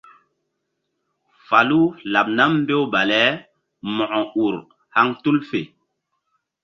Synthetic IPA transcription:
fa˨lu˦la˨p̚na˦mm̩˦be˦wɓa˨lɛ˦ | mɔ˨ʔɔ˨u˨ɾ | ha˦ŋtu˦lfe˨

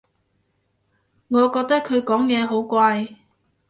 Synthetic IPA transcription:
ŋɔː˨˧kɔː˧k̚t̪ɐ˥kʰːɵ˨˧ɥkɔː˨˥ŋjɛː˨˧ɦo˨˥wkʷaː˧j

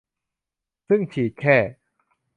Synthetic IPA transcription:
sɯ˥˩ŋt͡ɕʰiː˩˦t̪̚kʰɛː˥˩

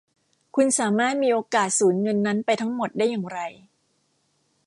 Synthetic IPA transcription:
kʰu˧nsaː˩˦maː˥˩t̪̚miː˧ʔoː˧kaː˨˩t̪̚suː˩˦nŋɤ˧nːa˦˥npa˧jt̪ʰa˦˥ŋmo˨˩t̪̚daː˥˩jːaː˨˩ŋɾa˧j

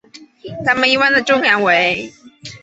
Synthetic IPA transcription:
t̪ʰa˧˥mə˨ni˧˥wa˥˧nd̪ə˨˩ʈ͡ʂʊ˥ŋja˧˥nwe˧˥˦ɪ

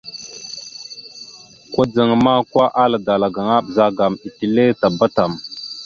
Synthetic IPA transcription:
kʷa˦d͡zə˨ŋma˦kwa˦ʔa˦la˨da˨la˨ɡa˨ŋa˦ɓza˦ɡa˨mi˨ti˨le˦ta˨ba˦ta˨m

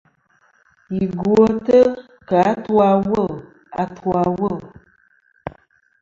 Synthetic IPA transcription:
i˨ɡo˦tə˦ | ka˨˦twa˧wə˦˨l | a˨tʰwa˨˦wə˦˨l

